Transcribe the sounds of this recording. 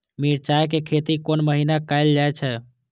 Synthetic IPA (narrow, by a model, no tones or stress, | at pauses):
miɾt͡ʃajkekʰet̪ikonməɦinakaɪld͡ʒaet͡ʃʰɛ